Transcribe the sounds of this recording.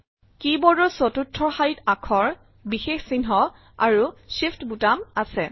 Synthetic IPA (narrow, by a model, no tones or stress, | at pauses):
kibɔdɔsɔtutʰːɔxajitakʰɔɹ | bixexsinɦɔ | aɹusiftbutamasɛ